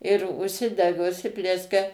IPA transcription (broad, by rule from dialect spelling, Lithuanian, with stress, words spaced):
ɪr ʊʃʲˈsʲɪdʲɛɡɐ ʊʃʲˈsʲɪpʲlʲiɛsʲkʲɛ